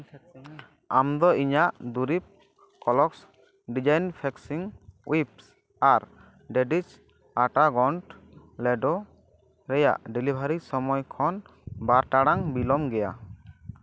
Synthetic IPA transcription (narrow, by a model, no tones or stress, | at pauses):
amd̪ɔiɲaʔd̪uɾip̚ | kɔlɔks | ɖid͡ʒajnpʰɛksiŋwips | aɾ | ɖɛɖit͡ʃ | aʈaɡɔɳʈ | lɛɖɔ | ɾɛja̰ʔɖilibʱaɾisɔmɔjkʰɔn | baɾʈaɽaŋbilɔmɡɛja̰